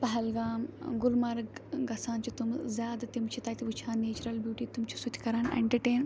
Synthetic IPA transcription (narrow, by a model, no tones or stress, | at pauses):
pɐɦɛlɡaːmɡʊlmɐɾɡɡɐsãːnt͡ʃʰit̪umzʲjaːd̪at̪imt͡ʃʰit̪aːt̪iʋut͡ʃʰaːneːt͡ʃuɾɐlbjuːʈiːt̪umt͡ʃʰusut̪ʰʲkɐɾaːnḛɳʈɐʈeːn